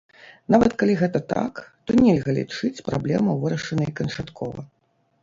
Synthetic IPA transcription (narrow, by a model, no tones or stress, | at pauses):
navɐt̪kalʲiɣɛt̪ɐt̪a̰kt̪ɔnʲɛlʲɣɐlʲḭt͡ʂɨt͡sʲpɾa̰blʲɛmɐvɨɾɐʂɐnɐjkɐnt͡ʂat̪kʰɔvɐ̰